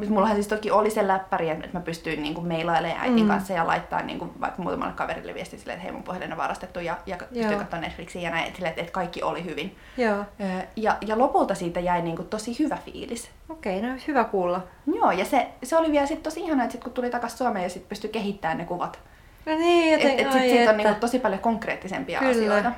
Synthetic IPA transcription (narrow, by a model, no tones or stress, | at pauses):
mut̪mulːɑhɑnsist̪okːiolisellæpːæriet̪ḛt̪mæpyst̪yinniːŋkummeilɑileːʔæ̰it̪iŋkɑ̰nsːɑjɑlɑ̰it̪ːɑ̰innḭːŋkuʋɑ̰ikːmuːt̪ɑmɑ̰lːekɑʋḛrḭlːḛʋḭɛst̪iːsilːḛt̪hḛimo̰mpohjɑlːḛnːeʋɑ̰rɑst̪et̪ːujɑjɑkpyst̪yikɑt̪ːoɑnet̪fliksijɑnæiḛt̪silːet̪et̪kɑikːiʔo̰lihyʋin | joːøjɑjɑlopult̪ɑsiːt̪æjæiniːŋkutt̪osihyʋæfḭːlis | okeineohyʋækuːlːɑ | joːjɑseseoliʋiælsit̪t̪osiihɑnɑet̪sit̪kut̪t̪ulit̪ɑkɑssuɑmeːjɑsit̪pyst̪ykeɦit̪ːæːnnekuʋɑt̪ | niːeetsisiːonniːkutt̪osipɑljokoŋkreːt̪ːisḛmpiɑ̰ʔɑslioit̪ɑ